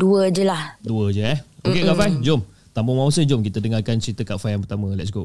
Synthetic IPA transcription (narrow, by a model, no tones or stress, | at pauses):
duəd͡ʒəlahduəd͡ʒəɛokekafajd͡ʒom | t̪ambʊŋmãwsəd͡ʒomkit̪ədəŋarkant͡ʃɾit̪əkafajaŋpət̪amə̃lɛ̰t̚s̬ɡo